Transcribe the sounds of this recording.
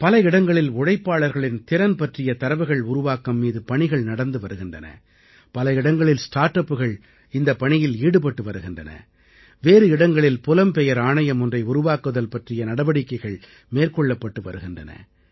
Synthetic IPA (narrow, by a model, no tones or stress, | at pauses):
pɐlɐɪɽɐŋɡɐɭɪlɔɽɐɪpːaːɭɐɾɣɐɭɪnt̪ɪɾɐnpɐʈrɪjɐt̪ɐɾɐʋɐɪɣɐɭʊɾʊʋaːkɐmːiːðɯpɐɳɪɣɐɭnɐɽɐnd̪ɯʋɐɾɯɣɪndrɐnɐ̰ | pɐlɐɪɽɐŋɡɐɭɪlsʈaːɾʈɐpːɯɣɐɭ | ɪnd̪ɐpːɐɳɪjɪliːɽɯpɐʈːɯʋɐɾɯɣɪndrɐnɐ̰ | ʋeːɾɯɪɽɐŋɡɐɭɪlpʊlɐmpɛjɐɾaːnɐjɐmʊndrɐɪʊɾʊʋaːkɯðɐlpɐʈrɪjɐnɐɽɐʋɐɽɪkːɐɪɣɐɭ | meːrkɔɭːɐpːɐʈːɯʋɐ̰ɾɯɣɪndrɐnɐ̰